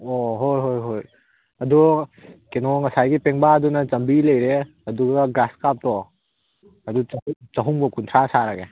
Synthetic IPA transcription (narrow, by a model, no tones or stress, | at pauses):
oɦojɦojɦoj | ɐdukenɔŋɐsajɡipeŋbaːdunɐt͡ʃɐmbilɐjɾe | ɐduɡɐɡɾaskap̚tɔ | ɐdut͡ʃɐɦuŋbɐkuntʰɾasaɾaɡe